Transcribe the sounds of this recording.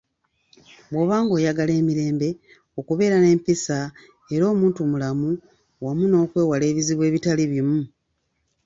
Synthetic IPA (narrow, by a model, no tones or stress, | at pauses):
bwo̞βaːŋɡo̞ːjaɡale̞ːmiɾe̞ːmbe̞ | o̞kuβe̞ːɾane̞ːmpisa | e̞ɾo̞ːmuːntumulamu | wamuno̞ːkwe̞ːwale̞ːβiziβwe̞ːβitaliβimu